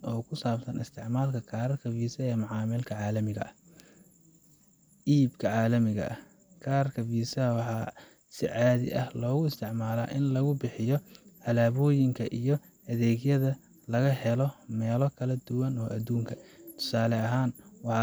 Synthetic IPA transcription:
ɔːkʰʊsaːbsɐnɪst̪ʰɪʕmaːlkʰɐkʰaːɾɐrkʰɐfiːsɐɛːmʊʕɑːmɪlkʰɐʕɑːlɐmɪɣɐʔɐh | ʔiːbkʰɐʕɑːlɐmɪɣɐ̰ʔɐ | kʰaːrkʰɐfiːsɐwɑħɑː | sɪʕɑːðɪ̰ʔɐhlɔːɣʊɪst̪ʰɪʕmaːla̰ːʔɪnlɐɣʊbɪħɪjɔʕɐlaːβɔːjɪŋkʰɐʔijɞ | ɐðɛːɣjɐðɐ | lɐɣɐhɛlɔmɛːlɔkʰɐlɐd̪ʊwɐnɔːʔɐd̪uːŋkʰɐt̪ʰʊ̥saːlɛɐɦaːnwɑħɑ

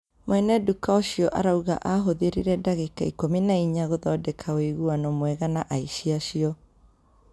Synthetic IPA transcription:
mwɛnɛdukaoɕiɔʔa̰ɾauɣa̰ʔaɦoðeɾiɾɛdaɣekaikominaiɲaɣoðɔːdɛkʰaoiɣuanɔmwɛɣanaʔaiɕiaɕiɔ

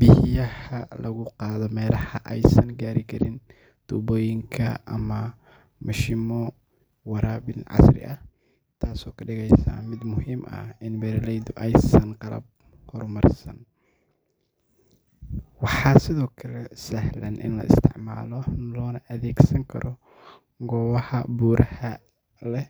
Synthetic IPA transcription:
bɪhjɐhɐlɐɣʊqɑːðɔmɛːlɑhɐʔɛjsɐnɡaːɾɪkʰɐɾɪn | t̪uːbɔːjɪŋkʰɐʔɐmɐ | mɐʃɪmɔ | wɑɾaːbɪnʕɑ̰srɪ̰ʔɐh | t̪ʰaːsɔːkʰɐɖɪɣɛjsɐ̰mɪd̪mʊhiːmɐ̰hɪnbɛɾɪlɛjd̪ʊʔɛjsɐnqɑlɐ̰b̚ | hɔrmɐrsɐ̰n | wɑħɑːsɪðɔːkʰɐlɛsɐhlɐnʔɪ̰nlɐ̰ɪ̰st̪ʰɪ̰ʕma̰ːlɔnlɔːnɐʔɐðɛːɡsɐŋkʰɐ̰ɾɔ | ɡɔːwɑhɐbuːɾʔɐhɐ | lɛh

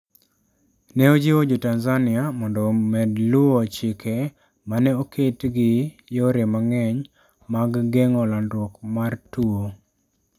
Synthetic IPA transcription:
nɛod͡ʒiod͡ʒotanzanɪamɔndɔmɛdlʊot͡ʃɪke | manɛokʰetɡɪ | joɾemaŋɛɲ | maɡːeŋɔlanwɔkmartuo

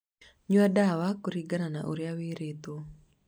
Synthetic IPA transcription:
ɲuadawakuɾiɡanana̰ʔṵɾiawiɾit̪u

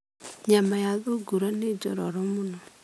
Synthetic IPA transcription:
ɲamajaðoɡuɾaned͡ʒɔ̰ɾɔɾɔmonɔ

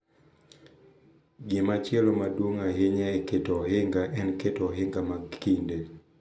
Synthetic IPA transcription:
ɡɪmat͡ʃjɛlɔmadwoŋaɦɪɲaɛketɔɦɪŋɡaʔɛnketɔɦɪŋɡamakinde

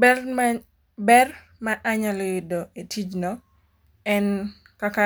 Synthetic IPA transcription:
bɛ | bɛr | maʔaɲalɔjɪdoetid͡ʒnɔ | ɛn | kaka

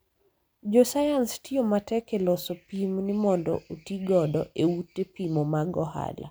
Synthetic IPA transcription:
d͡ʒɔsajanstiomatɛkelɔsɔpimnɪmɔndɔ̰ʔotiɡɔdɔʔeutːepimomaɡɔha̰la̰

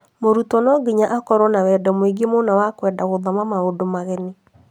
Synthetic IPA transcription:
moɾutɔnɔɡiɲaʔakɔɾɔnawɛːdɔmweɡemonawakwɛːdaɣoðɔmamaodomaɣɛni

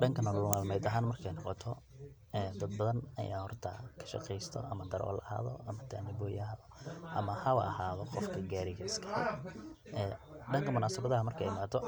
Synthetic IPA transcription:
ɖɐŋkʰɐnɔlʊmaːlmɛjd̪ɐɦaːnmɐrkʰɛjnɑqɔt̪ʰɔ | ɛːd̪ɐd̪̚bɐðɐnɐ̰jʔa̰ːhɔrt̪ʰɐ̰kʰɐ̥ʃɑ̰qɛjst̪ʰɔ̰ʔɐmɐd̪ɐɾʔɔ̰ːlɐha̰ːðɔʔɐmɐt̪ʰa̰ːnɪbɔːjɐðɔʔɐmɐhɐwɐhaːðɔqɔfkʰɐɡaːɾɪɣɐɪskʰɐ̥hɛ̰ʔɛːɖɐŋkʰɐmʊnaːsɐbɐðɐɦɐmɐrkʰɐɛjɪmaːt̪ʰɔ

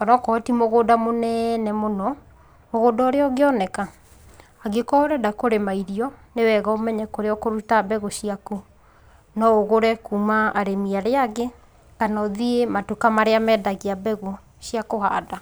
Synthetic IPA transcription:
ɔnɔkɔtimoɣodamonɛnɛmonɔ | moɣodɔɾeɔɡeɔnɛka | aɡekɔoɾɛdakoɾemaiɾiɔnewɛɣaomɛɲɛkoɾeɔkoɾutabɛɣoɕiaku | nɔoɣoɾɛkumaːɾemiaɾeaɣe | kanɔðiematukamaɾeamɛːdaɣiabɛɣo | ɕiakohada

